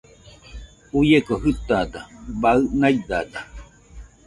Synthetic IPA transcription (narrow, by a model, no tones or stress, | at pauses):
ujekoɦɨt̪ad̪abaɯnaid̪ad̪a